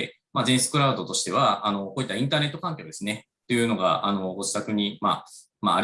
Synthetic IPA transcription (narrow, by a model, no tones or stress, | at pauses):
maːd͡ʑẽɰ̃sɨ̥kɯ̟ɾaɯd̪o̞t̪o̞ɕi̥t̪e̞β̞aːno̞ko̞ːit̪ːaĩnt̪aːne̞t̪ːokãŋkʲoːd̪e̞sɨne | t̪ojɯ̟ːno̞ɡa̰ʔano̞oɕi̥t̪akɯ̟ɲ̟ima̰ | ma̰ːɾ